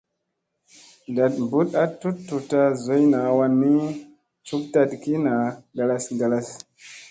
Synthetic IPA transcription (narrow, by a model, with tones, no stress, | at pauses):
nda˨t̚mbu˦ta˦tu˦ttːu˨ta˦zo˨˦jna˨wa˦nːi˦ | t͡ʃu˦k̚ta˦dki˦na˨ɡa˨la˦sɡa˨la˦s